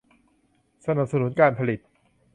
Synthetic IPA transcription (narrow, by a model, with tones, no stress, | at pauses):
sa˧na˨˩p̚sa˧nu˨˦nkaː˧npʰa˧li˨˩t̪̚